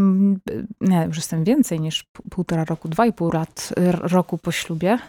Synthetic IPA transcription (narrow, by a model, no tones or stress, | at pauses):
ɲɛjuʂjɛst̪ɛmvʲjɛnt̪sɛjɲiʂpuwt̪ɔɾaɾɔkud̪vaipuwlat̪ɾɔkupɔɕlubʲjɛ